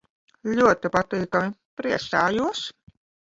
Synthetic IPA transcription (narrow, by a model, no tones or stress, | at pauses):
lʲuɔt̪ipat̪iːkamipɾiɛsaːjuɔs